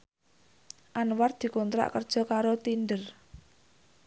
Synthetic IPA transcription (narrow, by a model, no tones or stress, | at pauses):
ʔanwar̚d̪̥i̤kɔnt̪ɾa̰ʔkərd̥ʒ̥ɔ̤kaɾot̪inɖər